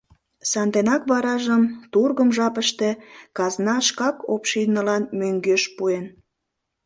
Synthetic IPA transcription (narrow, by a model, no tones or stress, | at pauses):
sɑnd̪enɑkβɑɾɑʒəmt̪urɣəmʒɑpəʃt̪ekɑznɑʃkɑkopʃinəlɑnmøŋɡøʃpuen